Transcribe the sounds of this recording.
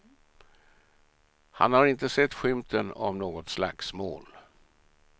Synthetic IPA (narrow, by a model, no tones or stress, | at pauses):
ha̰nhaɾɪnt̪əsɛt̪ːɧʏmt̪ʰənɔ̰mnoːɡɔt̪sla̰ksmo̰ːl